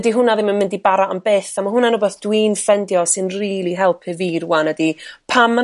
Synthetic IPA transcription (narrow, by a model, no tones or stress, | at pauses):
diɦʊnaðɪmanmɪndibaɾaambeːθamaɦʊnanubɛθd̥winfɛndjɔsɨnriːlˠiɦɛlˠpʰɨviːrwanədipʰamːa